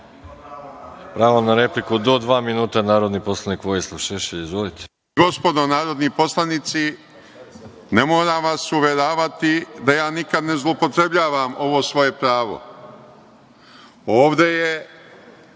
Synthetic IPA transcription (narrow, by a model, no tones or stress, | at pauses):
pɾaːʋonaɾeplikud̪od̪ʋaːminuːt̪anaːɾod̪niposlˠanikʋojislˠuʃaʃeizʋolit̪ʰɛ̥ | ɡo̞spo̞d̪o̞naːɾo̞d̪nipo̞slanit̪si | ne̞mo̞ːɾaʋasuʋeɾaːʋat̪id̪ajaːnikad̪nezlˠopo̞t̪ɾe̞bʎaːʋamo̞ʋo̞ːsʋo̞je̞pɾaːʋo̰ | oːʋd̪e̞je